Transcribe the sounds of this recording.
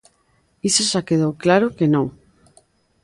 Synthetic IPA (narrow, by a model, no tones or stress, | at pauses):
isasakeðowklaɾʊkenõŋ